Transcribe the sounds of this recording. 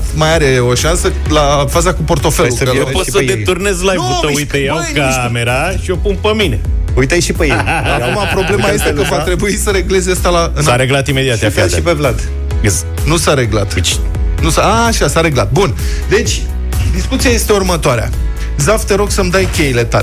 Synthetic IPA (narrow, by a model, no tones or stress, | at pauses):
t̪majaɾeo̞ʃansə | lafazakupo̞rt̪o̞feluəeposəd̪et̪urne̞zlajvusəujt̪əja | ka | me̞ɾa | ʃio̞punpəmineujt̪ajʃipejejakumapɾo̞blemaje̞st̪ekəvat̪ɾe̞buisəɾe̞ɡle̞zast̪alaɨnaɾeɡlat̪ime̞d̪iat̪jafaipevlad̪ | nusaɾe̞ɡlat̪t͡ʃ | nusaːʃasaɾe̞ɡlat̪̚bun | d̪e̞t͡ʃʲ | d̪iskut̪sijajest̪e̞urmət̪oaɾea̰ | zaft̪əɾo̞ɡsəmd̪ajkʲe̞jile̞t̪al